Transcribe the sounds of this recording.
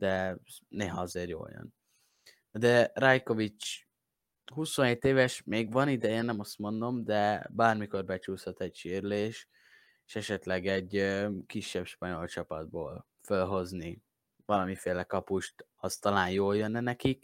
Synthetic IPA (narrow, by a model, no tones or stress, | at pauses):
d̪ɛneːɦɒɒzeːɾjo̰ːljø̰n | d̪ɛrajko̞vit͡ʃ | ɦusonɦeːt̪eːvɛʃmeːɡʋɒnid̪ɛjɛnːɛmɒst̪mo̞nd̪o̞md̪ɛbaːrmiko̞rbɛt͡ʃuːshɒt̪ɛɟʃiːrleːʃ | eʃɛʃɛt̪lɛɡɛɟːøkiʃːɛbʃpɒɲo̞lt͡ʃɒpɒd̪̚boːl | følɦo̞zni | vɒlɒmifeːlɛkɒpuʃt̪ɒst̪ɒlaːnjoːljønːɛnɛkik